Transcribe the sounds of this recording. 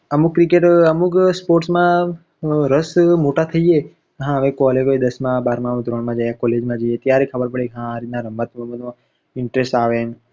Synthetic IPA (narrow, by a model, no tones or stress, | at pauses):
əmukːɾikeʈəmukspoɾʈsmã | ɾəsmoʈat̪ʰəie | ɦãəʋẽkɔleɡoed̪əsmãbaɾmãmd̪ɾoɳmãd͡ʒajãkɔled͡ʒmãd͡ʒəjet̪jaɾekʰəbəɾpəɽekɦãːɾit̪̚naɾəmət̪əmənõ | ɪɳʈɾesʈaʋen